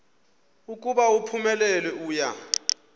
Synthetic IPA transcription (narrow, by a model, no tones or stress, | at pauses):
ukʼuɓaupʰumɛlɛlwɛuːja̰